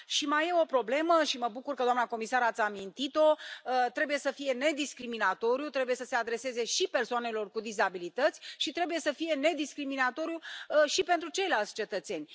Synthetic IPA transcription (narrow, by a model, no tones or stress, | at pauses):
ʃimajeo̞pɾo̞ble̞məʃiməbukurkəd̪oamnako̞misaɾat̪sʲamint̪it̪o̞t̪ɾe̞buje̞səfije̞ne̞d̪iskɾiminat̪o̞ɾjut̪ɾe̞bujesəse̞ad̪ɾe̞se̞ze̞ʃipe̞rsoane̞lo̞rkud̪izabilit̪ət̪sʲʃit̪ɾe̞buje̞səfije̞ne̞d̪iskɾiminat̪o̞ɾjuʃipe̞nt̪ɾut͡ʃe̞jlalt̪sʲt͡ʃe̞t̪ət̪se̞nʲ